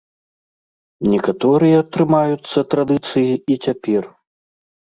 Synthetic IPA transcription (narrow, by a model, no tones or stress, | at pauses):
nʲɛkat̪ɔɾɨjɐt̪ɾɨmajut̪sːɐt̪ɾad̪ɨt̪sɨjiit͡sʲapʲɛr